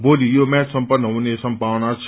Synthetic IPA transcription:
bolijomɛt͡ssʌmpʌnːʌɦunesʌmpawnat͡sʰ

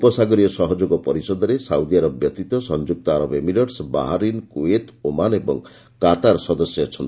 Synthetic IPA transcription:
upɔsaɡɔɾiɔsɔɦɔd͡ʒoɡɔpɔɾisɔd̪ɔɾesawd̪iaɾɔbjɔt̪it̪ɔsɔnd͡ʒuk̚t̪ɔaɾɔbemiɾɔɖsba̰ɦaɾinkuet̪omanebɔ̰ŋ | kat̪aɾsɔd̪ɔsjɔɔt͡ʃʰɔnt̪i

